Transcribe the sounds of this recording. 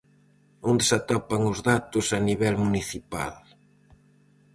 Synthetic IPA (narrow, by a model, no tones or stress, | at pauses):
ond̪esat̪ɔpaŋʊzðat̪ʊsaniβɛlmuniθipa̰l